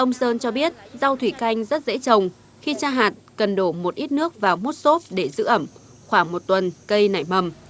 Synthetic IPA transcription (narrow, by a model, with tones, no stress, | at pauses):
ʔə˧wŋ͡msəː˧nt͡ɕɔ˧ɓi˦˥ət̚za˧wt̪ʰwi˧˩ka˧jŋ̟zə˦˥t̚zḛ˧˥t͡ɕə˨˩wŋ͡m | xi˧t͡ɕaː˧ɦaː˨˩t̚kə˨˩nɗo˧˩mo˨˩t̚ʔi˦˥t̚nɨ˦˥ək̚vaː˨˩wmo˦˥t̚so˦˥p̚ɗe˧˩zɨ̰˧˥ʔə˧˩m | xwaː˧˩ŋmo˨˩t̚t̪wə˨˩nkə˧jna̰˧˩jmə˨˩m